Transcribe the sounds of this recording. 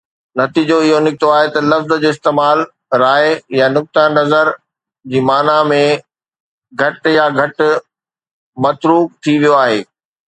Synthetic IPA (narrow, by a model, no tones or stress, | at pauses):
nɐt̪iːd͡ʑoɪɦonɪk̚t̪oaːɦet̪ɐlɐfzd͡ʑoːɪst̪eːmaːl | ɾaːɪjanʊk̚t̪anɐzəɾ | d͡ʑiːmaːnamẽ | ɡʱɐʈjaɡʱɐʈ | mɐt̪ɾuːk̚t̪ʰiʋijoaːɦeː